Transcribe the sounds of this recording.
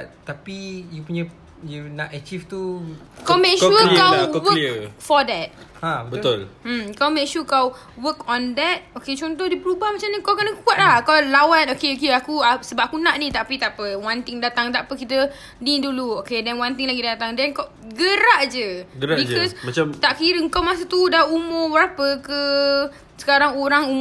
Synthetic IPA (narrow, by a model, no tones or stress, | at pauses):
t̪apijupuɲə | junatət͡ʃift̪u | kawmɛ̃kʃukawkwəəfɔdɛt̚ | ãəbət̪ʊlm̩mkawmɛ̃kʃukaw | wəkɔ̃ndɛt̚oket͡ʃɔnt̪ɔhdipəɾubahmat͡ʃamɲəkawkənəkuat̪̚lahkawlawat̪okeokeakuasəbap̚akunaʔnĩt̪apit̪aʔpəwãnt̪ɪŋdat̪aŋt̪aʔpəkit̪ə | niduluokedɛnwãnt̪ɪŋlaɡidat̪aŋdɛnkaw | ɡəɾaʔd͡ʒəɡəɾabid͡ʒɔsmat͡ʃamt̪aʔkiɾəəŋkawmas̬ut̪udaumʊwəɾapəkə | sə̥kaɾaŋoɾaŋum